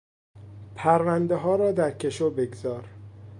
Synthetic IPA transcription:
pʰæɾvænd̪eɦɒːɾɒːd̪æɾcʰe̞ʃobeɡzɒːɾ

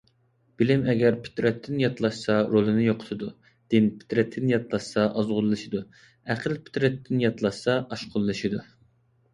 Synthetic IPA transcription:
b̥ɪlɪmɛɡʲæɾpʰy̥t̪ɾɛt̪ʰːɪnjɑt̪lˠɑʃsɑɾolˠɨnɨjoqʰʊ̥t̪ʰɨd̪u | d̪̥ɪnpʰy̥t̪ɾɛt̪ʰːɪnjɑt̪lˠɑʃsɑʔɑzʁʊlˠːɨʃid̪u | æqʰəlpʰy̥t̪ɾɛt̪ʰːɪnjɑt̪lˠɑʃsɑʔɑʃqʰʊlˠːɨʃid̪u

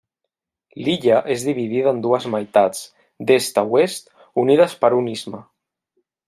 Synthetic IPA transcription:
liʎaʔezðiβið̞iðaːnd̪uəzmajt̪at͡s | d̪est̪awest̪ | uniðəspəɾunizma

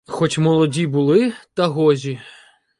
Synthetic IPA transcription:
xɔt͡ʃʲmɔlˠɔdʲibulˠɪt̪ɐɦɔʒʲi

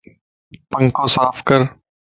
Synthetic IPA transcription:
pəŋkõːsaːfʰkəɾ

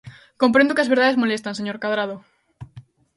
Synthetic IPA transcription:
kõmpɾẽnd̪okeazβeɾðaðezmolest̪anseɲoɾkaðɾað̞o

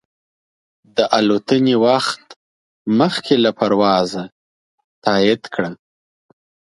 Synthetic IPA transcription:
d̪əʔalot̪ənewaxt̪ | məxkʰelapaɾwɑza | t̪ʰɑɪd̪kʰɽa

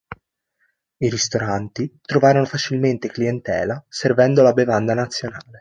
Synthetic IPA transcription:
iɾist̪oɾant̪it̪ɾovaːɾonofat͡ʃilment̪ekliɛnt̪ɛ̰ːlaservɛnd̪olabevand̪anat̪sːjonaːle

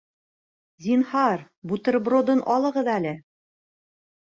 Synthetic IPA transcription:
zʲinhɑɾ | but̪ɤ̆ɾbɾod̪ɤnʔɒlˠɤ̆ʁɤðælɘ

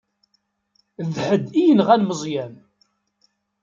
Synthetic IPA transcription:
ðhəd̪ijənʁænməzˤjæm

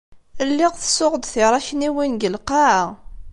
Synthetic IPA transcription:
əlːiʁθə̥sːʊʁəd̪θiɾˤɑçniwinɡəlqɑʕʁ

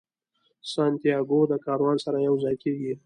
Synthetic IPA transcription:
sɑnt̪ijɑɡod̪əkɑɾwɑnsaɾajawzɑjkeɡi

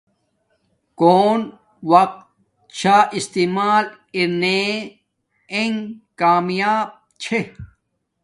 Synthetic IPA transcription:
koːn | wɐk̚t̪ | t͡ɕʰaʔist̪imaːl | iɾne | eŋkaːmjaːb̚ | t͡ɕʰe

